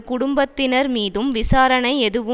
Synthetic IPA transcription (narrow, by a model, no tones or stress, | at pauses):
kʊɽʊmbɐt̪ːɪnɐɾmiːðɯmʋɪsaːɾɐɳɐɪɛðɯʋɯ